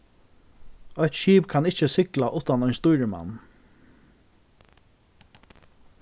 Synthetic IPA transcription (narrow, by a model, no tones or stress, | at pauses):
œht̪ʃiːpkʰanɪht͡ʃəsɪklaʔʊt̪anɔjɲst̪uːɾəma̰nː